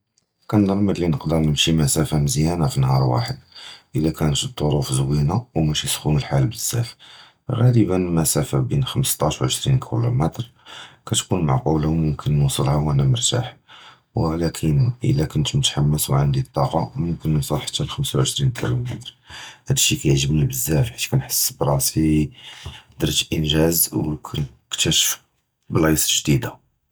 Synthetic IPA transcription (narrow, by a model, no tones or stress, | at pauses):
kænd̪ɑɾˤməd̪linəqd̪əɾˤnəmʃimæsæfaməzjænafinhɑɾˤwa̰ħəd̪ʔəlːækʰænət̪əd̪ˤːoɾˤufzwinawmæʃisxunəlħalbəsːæ̰f | ɣæləbənmæsæfabinxəməst̪ˤɑʃwʕəʃɾinkʰilumæt̪ɾkæt̪kunmaʕqulawmʊmkʰənːusˤəlhawænæməɾˤt̪a̰ħ | wəlækʰənʔə̰lːækʊnt̪mʊt̪ħamːəswʕand̪it̪ˤːɑqɑmʊmkənːusˤəlħḁt̪ːælxəmsawʕəʃɾinkʰilumæt̪ɾ | hæd̪əʃːikæjəʕʒəbnibəzːæfħit̪kænħə̥sːbɾˤɑsi | d̪əɾˤt̪ʔənʒæzwkʰæn | kt̪əʃ | blɑjsˤʒd̪id̪a